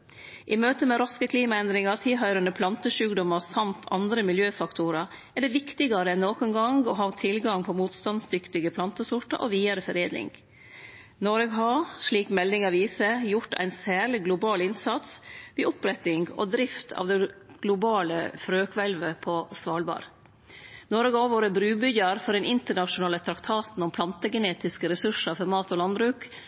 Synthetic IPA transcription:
ʔɪmøːt̪əmɛɾɑskəkʰliːmɑɛnd̪ɾɪŋɑɾt̪ʰɪlɦɑʏɾɑnəpʰlɑnt̪əʂʉːkd̪ɔmɑɾsɑmt̪ʰɑ̰nd̪ɾəmɪljøːfɑkt̪ʰʊɾɑɛɖɛʋɪkt̪ɪɡɑɾəɛnːoːkʊnɡɑŋɡɔɦɑːt̪ʰɪlɡɑŋpʰɔmuːt̪st̪ɑnsd̪ʏkt̪ɪɡəpʰlɑnt̪əsʊʈɑ̰ʔɔ̰ʋiːɑɾəfɔɾeːd̪lɪ̰ŋɡ | nɔɾɛɡɦɑʂɭiːkmɛlnɪŋɑʋiːsəjʊʈːæ̰ɪnsæːɭɪɡlʊbɑːlɪnsɑt̪sʋiːʊpɾɛt̪ːɪŋɡɔ̰d̪ɾɪft̪ʰɑ̰ːʋd̪ɛɡ̥lʊbɑːlə̰fɾøːkʋɛlʋəpʰɔsʋɑːlbɑ̰ːɾ | nɔɾɡəoʋoːɾəbɾʉːbʏɟɑɾfɔɖɛnɪnt̪əɳɑʂʊnɑːlət̪ʰɾɑkt̪ʰɑːt̪n̩ʊmpʰlɑnt̪əɡɛneːt̪ɪskəɾɛsʉʂɑfɔɾmɑːt̪ɔlɑnbɾʉːk

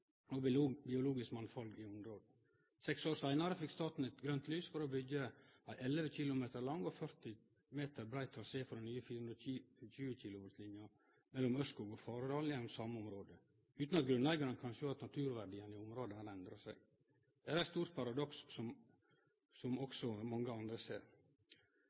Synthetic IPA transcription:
ɔbɪbɪʊluːɡɪskmɑnfɑlɡɪʊmɾoːd̪̩ | sɛksoːɾsæɪnɑɾəfɪkːst̪ɑːt̪n̩ɛt̪ɡɾœnt̪lyːsfɔɾɔbʏɡːəæɪʔɛlːəʋəçɪlʊmeːt̪əɾlɑŋːɔfœɾt̪ɪ | meːt̪əɾbɾæɪt̪ʰːɾɑseːfɾɔdnyːəfiːɾhʉnɾəçʉːəçɪːlʊʋɑɾslɪnjɑɾ | mɛlːɔmœskuːɡɔfɑːɾəd̪ɑːljɛnːɔmsɑːmɔmɾoːd̪ə | ʉːt̪n̩ɑt̪̚ɡɾʉnæɪɡɑɾənkʰɑnʃøːɑt̪nɑt̪ʰʉːɾʋæɾɖiːənɪʊmɾoːd̪ənɑɾɛnd̪ɾɑsæ̰ɪɡ | d̪̥ɛæːɾæst̪uːɾt̪̚pʰɑɾɑd̪ɔksːɔm | sɔmɔksɔmɑŋːəɑnd̪ɾəsḛːɾ

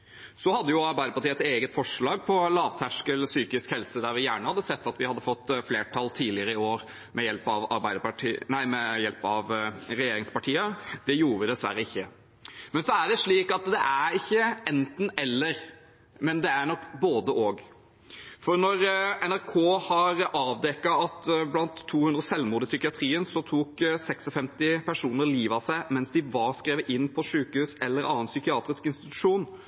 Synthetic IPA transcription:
sɔhɑd̪ːəjʊɑɾbæɪd̪əpɑʈiːəɛt̪eːɡət̪fɔʂɭɑːɡpʰɔlɑːʋt̪ʰæʂkəlsyːkɪskhɛlsəd̪æɾʋɪjæːɳəhɑd̪ːəsɛt̪ːɑt̪ʋɪhɑd̪ːəfɔt̪ːfleːʈʰɑlt̪ʰiːlɪəɾəɪoːɾ | mɛjɛlpɑʋɑ̰ɾbæɪd̪əpɑʈʰiːnæɪmɛjɛlpɑʋɾɛjeːɾɪŋspɑʈʰiːəd̪̥ɛjuːɾəd̪ɛsʋæɾːəɪçːə | mɛnsɔæɖɛʂɭiːkɑt̪d̪ɛʔæɾɪçːəɛnt̪n̩ɛlːəɾ | mɛnd̪ɛæɾɳɔkboːd̪əʔoːɡ | fɔɾnɔɾɛnæɾkʰoːhɑɾʔɑːʋd̪ɛkːɑɑt̪blɑnt̪ʰːuːhʉnd̪ɾəsɛlmuːd̪ɪsʏkɪɑt̪ʰɾiːənsɔt̪ʰuːksɛksɔfɛmt̪ɪpʰæʂuːnəɾliːʋɑsæɪmɛnsd̪ɪʋɑɾskɾeːʋəʔɪnːpʰɔʂʉːkəhʉːsɛlːəɾɑːənsʏkɪɑːt̪ɾɪskɪnst̪ɪt̪ʉ̥ʂuːn

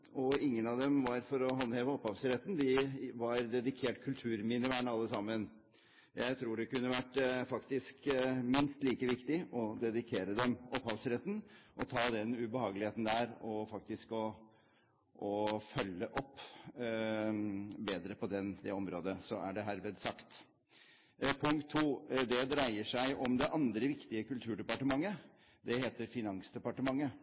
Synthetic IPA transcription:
ɔɪŋːənɑʋd̪ɛmʋɑɾfɔɾɔɦɑnheːʋəɔpːhɑʋsɾɛt̪nd̪ɪʋɑɾd̪ɛd̪ɪkʰeːʈkʰʉlt̪ʰʉːɾmɪnɪʋæːɳəɑlːəsɑmːən | jæɪt̪ʰɾuːɖɛkʉnːəʋæʈːfɑkt̪ɪskmɪnst̪liːkəʋɪkt̪ɪʔɔd̪ɛd̪ɪkʰeːɾəd̪ɛmɔphɑʋsɾɛt̪nʔɔt̪ʰɑːd̪ɛnʉbəhɑːɡəlɪheːt̪n̩d̪æɾɔfɑk̚t̪ɪskɔ | ʔɔfœlːəʔɔpː | beːd̪ɾəpɔd̪ɛnd̪ɛɔmɾoːd̪əsɔæɖɛɦæɾʋɛd̪sɑkt̪ | pʰʊŋkt̪ʰːuːd̪ɛd̪ɾæɪəʂæɪʔɔmd̪ɛʔɑnd̪ɾəʋɪkt̪ɪəkʉlt̪ʰʉːɖɛpɑʈəmɑŋːə | d̪ɛheːt̪əɾfɪnɑŋsd̪ɛpɑʈəmɑŋːə

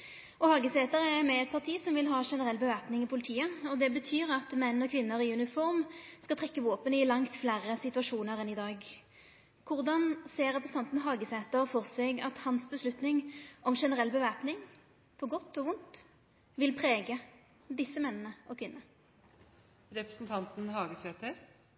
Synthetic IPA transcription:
ɔhɑːɡəseːt̪əʁəɛmɛɛt̪̚pʰɑʁt̪ʰiːsɔmʋɪlɦɑːʂɛnəʁɛlːbəʋæːpnɪŋɪpʰʊlɪt̪ʰiːəɔd̪ɛbət̪ʰyːɾɑt̪mɛnːɔkʰʋɪnːəɾɪʉnɪfɔɾmskɑt̪ʰʁɛkːəʋoːpənɪlɑŋt̪flæːʁəsɪt̪ʉɑʂuːnəɾɛnɪd̪ɑːɡ | kʰʊʁd̪ɑnseːɾɛpɾəsn̩ɑnt̪n̩ɦɑːɡəsɛːt̪əɾfɔʁsɛɡɑt̪hɑnsbəslʉt̪nɪŋʔɔmʂɛnəʁɛlːbəʋæːpnɪŋ | pʰɔɡɔt̪ːɔʋʊnt̪ | ʋɪlpʰʁeːɡə | d̪ɪsːəmɛnːənəʔɔkʰʋɪnːə | ɾɛpɾəsn̩t̪ʰɑnt̪n̩hɑːɡəsɛːt̪əɾ

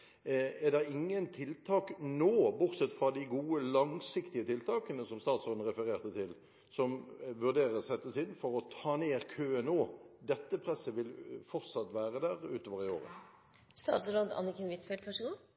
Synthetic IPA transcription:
ɛd̪ɛʁɪŋːənt̪ʰɪlt̪ʰɑːknoːbʊɾsɛt̪fʁɑd̪ɪɡuːəlɑŋsɪkt̪ɪət̪ʰɪlt̪ʰɑːkənəsɔmst̪ɑːt̪soːd̪n̩ʁɛfəɾeːʁt̪ət̪ʰɪl | sɔmʋʉʁd̪eːɾəʁsɛt̪ːəsɪnːfɔɾɔt̪ʰɑːneːɾkʰøːɛnoːd̪ɛt̪ːəpʰɾɛsəʋɪlfɔɾt̪sɑt̪ːʋæːʁəd̪æːʁʉːt̪oːʋəʁɪo̰ːʁə̰ | st̪ɑ̰ːt̪sɾoːd̪ɑ̰nːəkʰɪnʋɪt̪fɛlt̪ʋɑʂəɡuː

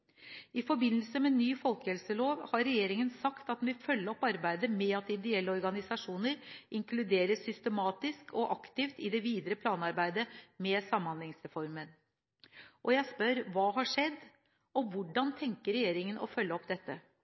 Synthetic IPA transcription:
ɪfɔɾbɪnːəlsəmɛnyːfɔlˠkəhɛlsəloːʋhɑɾɛjeːɾɪŋənsɑkt̪ɑt̪ʋɪfœlːəɔpːɑɾbæɪd̪əmɛɑt̪ɪd̪ɛɛlːəɔɾɡɑnɪsɑʂuːnəɾʔɪŋklʉd̪eːɾəsʏst̪əmɑːt̪ɪskʰɔʔɑkt̪ɪft̪ɪd̪ɛʋiːd̪ɾəpʰlɑːnɑɾbæɪd̪əmɛsɑmːɑnlɛŋsɾɛfɔɾmən | ʔɔjæɪspœɾʋɑːɦɑʂɛd̪ː | ɔʋʊɖɑnt̪ʰɛŋkəɾɛjeːɾɪŋənʔɔ̰fœlːəɔpd̪ɛt̪ːə

